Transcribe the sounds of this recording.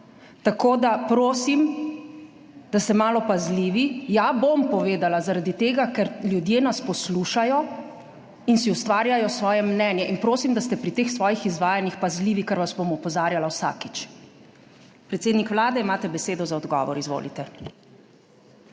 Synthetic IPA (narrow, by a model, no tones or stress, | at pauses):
t̪akoːd̪apɾoːsim | d̪̥ast̪ɛmaːlɔpazliʋijabompɔʋeːd̪alazaɾad̪it̪eːɡakɛɾljud̪jeːnaspɔsluʃajɔ | insiust̪ʋaːɾjajɔsʋɔːjɛmnɛːnjɛʔinpɾoːsimd̪ast̪ɛpɾit̪eːxsʋɔːjixizʋaːjanixpazliːʋikaɾʋasbomɔpɔzaːɾjalawsa̰ːki̥t͡ʃ | pɾɛt̪seːd̪nikʋlaːd̪ɛimaːt̪ɛbɛseːd̪ɔzaɔd̪ɡɔ̰ːʋɔɾizʋo̰ːlḭt̪ɛ